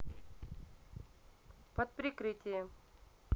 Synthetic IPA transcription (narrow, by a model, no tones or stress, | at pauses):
pət̪̚pɾʲɪkɾɨtʲɪjə